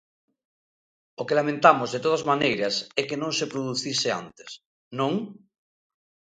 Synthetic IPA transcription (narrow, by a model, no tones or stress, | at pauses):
okelamẽnt̪amozðet̪oð̞azmanejɾɐsɛkenõŋsepɾoðuθisea̰nt̪e̥s | nõŋ